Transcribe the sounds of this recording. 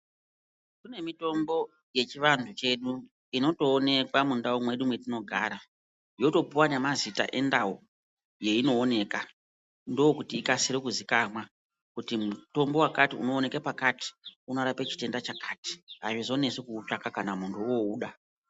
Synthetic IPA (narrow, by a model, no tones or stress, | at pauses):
kune̞mito̞mbo̞ | je̞t͡ʃiʋantʰut͡ʃe̞ɗu | ino̞to̞ːne̞kwamundawomwe̞ɗumwetino̞ɡʱa̰ːɾa | jo̞to̞buwanemazita̰ʔe̞ndao | je̞ino̞ːne̞ka | ndowokutiːkasiɾikuzikamwa | kutimuto̞mbo̞wakatiuno̞ːne̞kapakati̥unoɾape̞t͡ʃi̥te̞ndat͡ʃakati̥aʐizo̞ne̞sekut͡ʃakakanamuntʰuouːɗa